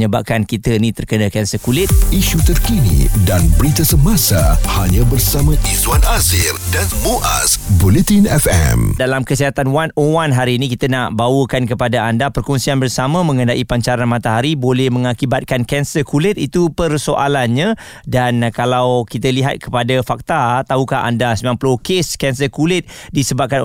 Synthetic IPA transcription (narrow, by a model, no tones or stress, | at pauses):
ɲəbap̚kankit̪ənĩt̪ərkənə̃kɛnsəkulɪt̪̚iʃut̪ərkinḭdanbəɾit̪asəmasahaɲãbərsamãʔiswanazirdanmoʔa̰sbulɛt̪inɛfɛ̰mdalamkəsiɦat̪anwanowanɦaɾiːnĩkit̪ənaʔbawəkankəpadaandapərkɔnsianbərsamãmə̃ŋədaʔipaɲt͡ʃaɾanmãt̪aɦaɾibolɛhmə̃ŋakibat̪̚kankɛnsəkulɪt̪it̪upərsoʔalanɲã | dankalawkit̪əliɦa̰t̪̚kə̥padafak̚t̪at̪aɦukaɦa̰ndasəmaŋpəlokeskɛnsəkulɪt̪̚disəbap̚kan